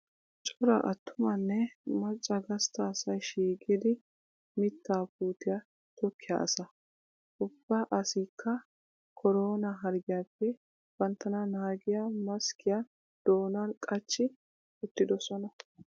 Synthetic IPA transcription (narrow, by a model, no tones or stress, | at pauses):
t͡ʃʼɔɾɐ̰ʔɐt̪ʰːʊmɐnːɛmɐt͡ʃʼːɐɡɐst̪ɐːsɐjʃiːkʼɪd̪ɪ | mɪt̪ːaːpuːt̪ɪjɐ | t̪ɔkʰːɪja̰ʔɐ̰sɐ | ʔʊb̥ːɐʔɐsiːkːɐ | kʰɔɾoːnɐɦɐɾɡɪjaːpːɛ | b̥ɐnt̪ːɐnɐnaːɡɪjamɐskʰɪja | d̪̥o̞ːnɐnkʼɐt͡ʃːɪ | ʊt̪ːɪd̪ɔsɔnɐ